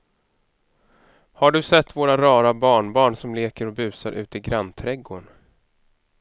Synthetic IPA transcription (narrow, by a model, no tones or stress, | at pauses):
haɖɵsɛt̪ːvoːɾaɾɑːɾabɑːɳbɑːɳsɔmleːkəɾɔbʉ̟ːsaɾʔʉ̟ːt̪ɪɡɾant̪ʰɾɛɡoːɳ